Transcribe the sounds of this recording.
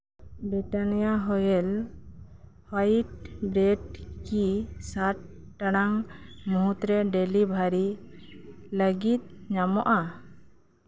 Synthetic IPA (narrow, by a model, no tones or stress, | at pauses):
bɾiʈanijaɦɔjɛl | hajʈ̚bɾɛʈkisaʈː | aɽaŋmuɦut̪ɾɛɖɛlibʱaɾi | ləɡit̪̚ɲamɔʔa